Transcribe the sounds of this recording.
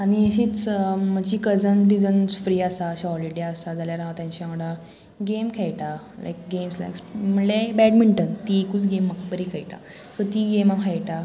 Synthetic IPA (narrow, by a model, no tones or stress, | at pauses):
añieɕiːt͡sm̤ad͡ʑiːkəd͡zənɾid͡zənsfɾiːasaɕaɦɔliɽeasad͡zaljaɾãʋat̪jãɲt͡ɕãʋəɽa | ɡemkʰɛjʈa | la̰jk̚ɡemsla̰ksm̤əɳlebɛɽmiɳʈənt̪ikut͡sɡemːakbəɾikʰajʈa̰ | sot̪iɡemafʰajʈa